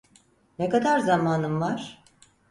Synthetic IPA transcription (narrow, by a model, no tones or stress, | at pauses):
nekad̪aɾzamaːnɯmvaɾ̥